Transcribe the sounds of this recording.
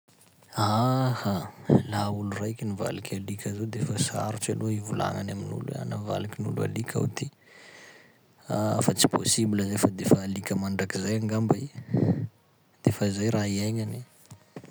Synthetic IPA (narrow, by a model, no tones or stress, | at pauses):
ahalaulurajkʲiniva̰likʲʰalikʰʲazod̪efəsa̰ɾuʈ͡ʂaloivula̰ŋanaminṵlua̰nava̰lakʲinṵlua̰likʰʲa̰wt̪i | afat͡si̥pʰo̰sibiləzefəd̪efəːlikʲəmaɳɖ͡ʐakizajaŋɡambai | d̪̥efəizajɾaiajɲani